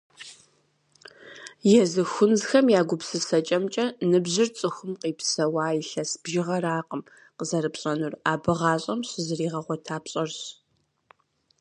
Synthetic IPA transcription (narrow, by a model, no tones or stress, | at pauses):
jɛzɨxʷʊnzxɐmjaːɡʷʊpsɨsɐt͡ʃʼɐmt͡ʃʼɐnɨbʑɪrt͡sʼɨxʷʊmqiːpsɐwaːjɪɬɐsbʒɪʁɐraːqəm | qəzɐɾɨpɕʼɐnuraːbɨʁɑːɕʼɐmɕɨzɨriːʁɐʁʷɔtʰaːpɕʼɐrɕ